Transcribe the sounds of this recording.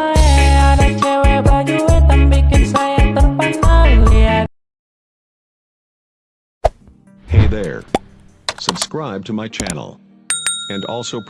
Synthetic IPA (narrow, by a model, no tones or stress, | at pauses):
aɾat͡ʃʰɛwɛbajut̪ɐmbikːənsajat̪əmpanalia | heɪðə̰˞ | səb̥skɹaɪb̚tʰəmaɪt͡ʃʰæ̰nl̩ˠ | ɨ̃ndɔ̰lˠsoʊpʰ